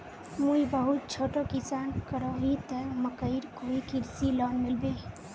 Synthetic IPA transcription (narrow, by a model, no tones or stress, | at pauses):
muibəɦut̪̚t͡ʃʰoʈokisankəɾɔɦit̪ɛməkəɪɾkoikiɾsilɔnmilbe